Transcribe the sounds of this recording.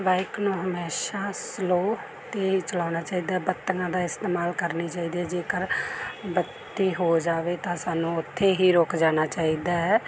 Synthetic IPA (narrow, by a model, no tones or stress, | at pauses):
ʋaːɪknũːɦəmeːʃaːsloː | t̪eːɦiːt͡ʃəlaːnaːt͡ʃaːiːd̪aːɦɛbət̪ːəŋãːd̪aːɪst̪eːmaːlkəɾniːt͡ʃaːiːd̪iɛd͡ʒeːkəɾbət̪ːiːɦoːd͡ʒaːʋeːt̪ãːsaːnũːʊt̪ʰːeːɦiːɾoːkd͡ʒaːnaːt͡ʃaːiːd̪aːɦɛː